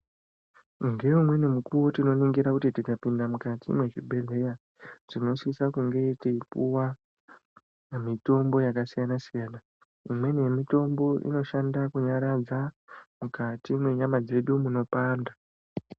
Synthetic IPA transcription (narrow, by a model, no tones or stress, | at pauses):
uŋɡe̞umwe̞nemukuwotino̞niŋɡiɾakutitikapindamukatḭmwe̞t͡ʃibʱe̞le̞ja | ʐ̥ino̞sisakuŋɡe̞tiipuwa | mito̞mbo̞jakasijanasijaːna | imwe̞nemito̞mbo̞ʔḭno̞ʃandakuɲaɾad͡zamukatimwe̞ɲamad͡ze̞ɗumuno̞paːnda